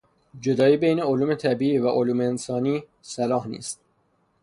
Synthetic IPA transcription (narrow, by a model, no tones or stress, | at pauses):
d͡ʒo̞d̪ɒːiːbejne̞oluːme̞t̪ʰæbiːiːvæʔoluːmeːnsɒːniː | sælɒːhnḭːst̪̚